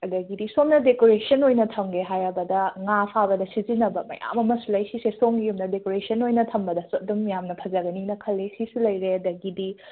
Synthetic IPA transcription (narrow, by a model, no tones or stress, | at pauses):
ɐdɐɡidisomnɐdekoɾesɐnojnɐtʰɐmɡeɦajɐbɐdɐŋapʰabɐdɐsizinɐbɐmɐ̰ja̰mɐmɐsulɐjsisesoŋijumnɐdekoɾesɐnojnɐtʰɐmbɐdɐsot̚dumjamnɐpʰɐzɐɡɐninɐkʰɐlːesisulɐjɾeɐdɐɡidi